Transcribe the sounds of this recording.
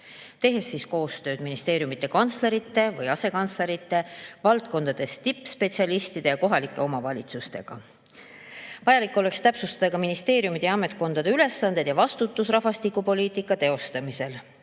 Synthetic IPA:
t̪e̞ɦe̞sːiːsko̞ːst̪ø̞ːd̪̥minist̪e̞ːɾjumit̪ːˑe̞kɑnt̪sle̞ɾit̪ːˑe̞vɯjɑse̞kɑnt̪sle̞ɾit̪ːˑe̞vɑlt̪ko̞nd̪̥ɑd̪̥e̞st̪ipːˑspe̞t̪siɑlist̪id̪̥e̞jɑko̞ɦɑlikːˑe̞o̞mɑvɑlʲit̪sust̪e̞̰ɡ̥ɑ̰ | vɑjɑlikːˑo̞le̞kst̪æpsust̪ɑd̪̥ɑkɑminist̪e̞ːɾjumid̪̥jɑɑme̞t̪̚ko̞nd̪̥ɑd̪eyle̞sːɑnd̪̥e̞d̪jɑvɑst̪ut̪ːˑusrɑfɑst̪ikːupo̞liːt̪ˑikːˑɑt̪e̞o̞st̪ɑmise̞l

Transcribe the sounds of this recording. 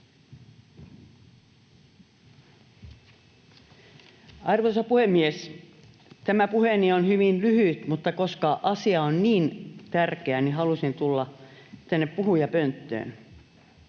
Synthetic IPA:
ɑrʋosɑpuhemːies | t̪æmæpuhenionhyʋinlyhyt̪mut̪ːɑkoskɑʔɑsiɑonniːnt̪ærkeæniɦɑlusint̪ulːɑt̪ænːeppuhujɑpønt̪ːø̰ːn

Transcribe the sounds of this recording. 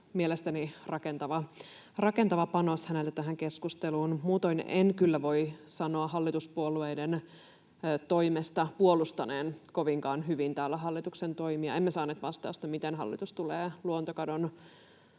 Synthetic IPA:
mielest̪ænirɑkent̪ɑʋɑ | rɑkent̪ɑʋɑpɑnoshænelt̪æt̪æɦæŋkeskust̪eluːnmuːt̪oinḛnkylːæʋo̞isɑno̞ɑɦɑlːit̪uspuoluejdenː | t̪oimest̪ɑpuolust̪ɑneːnko̞ʋiŋkɑːnɦyʋint̪æːlːæɦɑlːit̪uksent̪o̞imiɑ̰emːæsɑːneːt̪ʋɑst̪ɑ̰ːst̪ɑmit̪enɦɑ̰lːḭt̪ust̪uleːluont̪okɑdon

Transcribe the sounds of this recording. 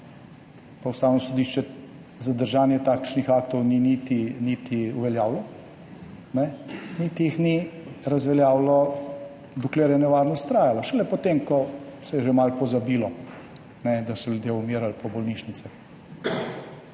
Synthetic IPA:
pawst̪aːwnɔsɔd̪iʃt͡ʃɛ | zad̪əɾʒaːnjɛt̪akʃnixak̚t̪ɔwninit̪init̪ʰiuʋɛljaːwlɔ | nɛnit̪ijixniɾazʋɛljaːwlɔ | d̪ukleːɾjɛnɛʋaɾnɔst̪t̪ɾaːjalɔʃɛlɛpɔt̪emkɔsɛjɛʒemalpɔzabiːlɔ | nɛd̪asɔljud̪jeumiːɾalpʰɔbɔlniʃnit̪sɛ

